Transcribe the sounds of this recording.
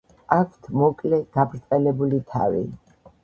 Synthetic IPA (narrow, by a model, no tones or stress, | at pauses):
akʰt̪ʰmɔkʼlɛɡ̥abɾt̪sʼɛlɛbulit̪ʰa̰vḭ